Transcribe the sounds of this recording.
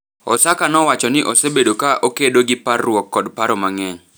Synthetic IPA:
ɔ̰sakanɔwat͡ʃɔnɪʔosebedokaʔokedoɡɪparwɔkːɔdpaɾɔmaŋɛɲ

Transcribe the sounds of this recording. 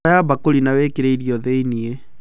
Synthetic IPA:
ajabakolinaweːkeɾeiɾiɔðeinie

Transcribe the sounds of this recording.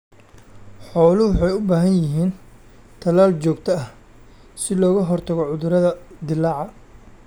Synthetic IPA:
ħɔːlʊwʊħɑjʊbaːɦɐnjɪɦiːn | t̪ʰɐlaːlt͡ʃɔːɡt̪ʰɐɐh | sɪlɔːɣɐɦɔrt̪ʰɐɣɔʕʊðʊɾɐðɐd̪ɪlːɑːʕɑ

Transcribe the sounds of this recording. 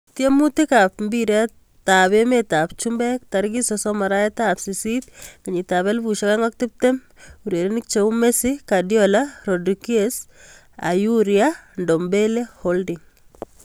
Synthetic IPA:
tjemutikapmbiɾa | taβemetapt͡ʃumbɛk̚taɾɡisɔsɔmaɾaɛtapsisit̪kiɲitaβɛlbuʃakaŋɔk̚tip̚tɛm | uɾeɾenikt͡ʃeumesikadjɔlaɾodikies | a̰juɾjandɔmbeleholdiŋ

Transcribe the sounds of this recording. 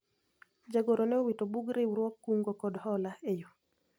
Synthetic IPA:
d͡ʒaɡoɾonɛowitobuɡɾewɾwɔkːuŋɡokɔdhɔlaejo

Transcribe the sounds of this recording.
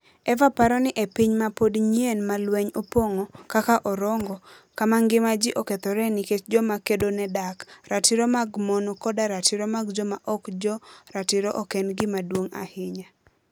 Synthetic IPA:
ɛvapaɾɔnɪʔepiɲmapodɲenmalwɛɲopoŋokakaʔɔɾɔŋɡɔ | kamaŋɡɪmad͡ʒɪʔoket̪ɔɾɛniket͡ʃd͡ʒɔmakedonɛdakɾatɪɾomaɡmɔnɔkɔdaɾatɪɾomaɡd͡ʒɔmaʔɔkd͡ʒɔɾatɪɾoʔɔkɛnɡɪmadwoŋa̰hɪɲa

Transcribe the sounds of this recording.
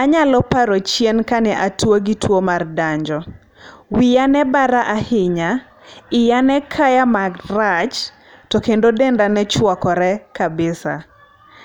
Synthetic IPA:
aɲalɔpaɾot͡ʃjɛnkanɛʔatwoɡitwomardaɲd͡ʒɔ | wijanɛbaɾaʔahɪɲa | ɪjanɛkʰajamaɡrat͡ʃ | tɔkendodendanɛt͡ʃwɔkɔɾɛkabɪsa̰

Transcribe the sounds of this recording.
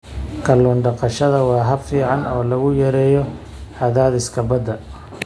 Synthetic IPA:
kʰɐlɔːnɖɑqɑʃɐðɐwɑːɦɐbfiːʕɑnɔːlɐɣʊjɐɾɛːjɔ | ħaðaːðɪskʰɐbɐd̪ːɐ

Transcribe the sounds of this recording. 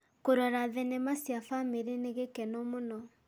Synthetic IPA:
koɾɔɾaðɛnɛmasjafameɾeneɣekɛnɔmonɔ

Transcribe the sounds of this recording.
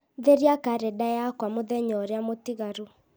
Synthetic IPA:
ðeɾiakaɾɛdajakwamoðɛɲɔɾeamotiɣaɾu

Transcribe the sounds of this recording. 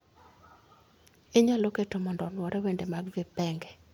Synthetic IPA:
ɪɲaloketɔmɔndɔnwɔɾɛwendemaɡvɪpɛŋɡɛ

